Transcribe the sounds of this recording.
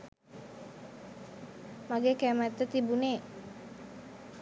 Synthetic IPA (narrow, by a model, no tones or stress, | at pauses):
maɡekɛmat̪ːət̪ibune